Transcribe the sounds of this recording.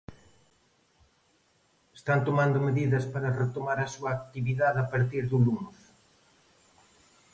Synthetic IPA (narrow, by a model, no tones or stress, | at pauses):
est̪ant̪omand̪ʊmeðiðɐspaɾɐret̪omaɾɐsuɐːk̚t̪iβiðaðɐpaɾt̪iɾðulunus